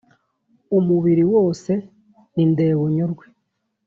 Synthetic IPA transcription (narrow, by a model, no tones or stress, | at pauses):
umuβiɾiwo̞ːse̞ | ninde̞ːβuɲoɾɡwe